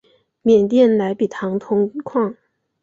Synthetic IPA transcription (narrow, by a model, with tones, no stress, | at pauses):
mjɛ˨˩nt̪jɛ˥˩nla˧˥ɪpi˨˩t̪ʰɑ˧˥ŋt̪ʰʊ˥ŋkʰwɑ˥˩ŋ